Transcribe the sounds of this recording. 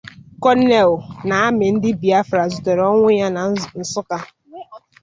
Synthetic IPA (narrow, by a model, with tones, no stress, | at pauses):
kɔ˦ne˨lʊ˨na˨a˦mɪ˨n̩˦dɪ˦bi˨a˦fɾa˨zʊ˨tɔ˨ɾɔ˦ŋʷʊ˦ja˦na˨n̩˨sʊ˦ka˦